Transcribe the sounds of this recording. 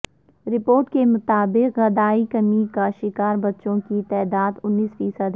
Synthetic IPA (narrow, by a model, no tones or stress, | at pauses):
ɾɪpoːɾʈkemʊt̪aːbɪqɣɐd̪aːikɐmikaʃɪkaːɾbɐtːʃõkit̪ɛːd̪aːd̪ʊnːiːsfiːsəd̪